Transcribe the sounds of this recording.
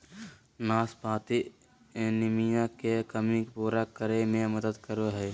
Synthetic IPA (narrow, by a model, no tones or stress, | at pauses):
naːspaːt̪i | enɪmijãkekəmĩkpoːɾakəɾemẽməd̪əd̪kəɾoɦɛː